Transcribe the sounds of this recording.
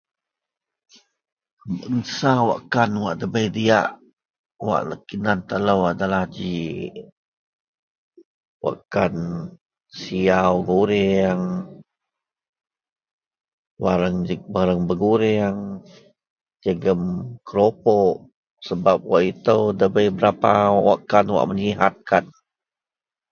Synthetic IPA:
bənsawa̰ʔkanwaʔdəbəjdiaʔ | wa̰ʔləkinant̪ələwadalahd͡ʒi | wa̰ʔkan | siawɡuɾeaŋ | baɾəŋbaɾəŋbəɡuɾɪaŋ | d͡ʒəɡəmkəɾopɔʔ | səbap̚waʔit̪əwdəbəjbəɾapawa̰ʔkanwa̰ʔməɲiɦat̪̚kan

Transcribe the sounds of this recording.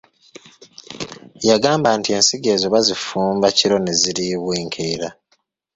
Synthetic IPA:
jaɡaːmbantie̞nsiɡe̞zoβazifuːmbaciɾo̞neziɾiβwiːŋkʰeːɾa

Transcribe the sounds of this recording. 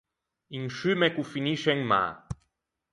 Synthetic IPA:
iŋʃymekufiniʃeŋma̰

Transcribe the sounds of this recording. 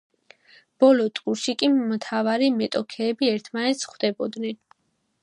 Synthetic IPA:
b̥ɔlɔt̪ʼqʼuɾʃikʼimt̪ʰavaɾimɛt̪ʼɔkʰɛːbiɛɾt̪ʰmanɛt̪sχwd̪ɛbɔd̪nɛn

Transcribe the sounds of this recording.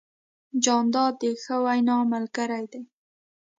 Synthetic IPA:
d͡ʒɑnd̪ɑd̪̚ːəxəwajnɑməlkəɾajd̪aj

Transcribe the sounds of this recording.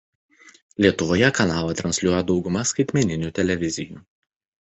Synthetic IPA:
lʲiɛt̪ʊʋoːjɛkɐnɑːlˠɐt̪ɾɐnʲsʲlʲuɔjɛd̪ɒʊɡʊmɐskɐɪt̪ʲmʲɛnʲɪnʲuːˑt̪ʲɛlʲɛʋʲɪzʲɪjuː

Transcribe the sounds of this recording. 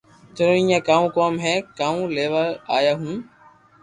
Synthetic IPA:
t̪ʰʊɾõːĩːẽːkaːũːkoːmɦɛːkaːũːleːʋaaːjaːɦũː

